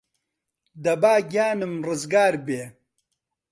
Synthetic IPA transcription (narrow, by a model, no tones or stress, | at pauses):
d̪ɐbaːɡjaːnɨmrɐzɡaːɾbeː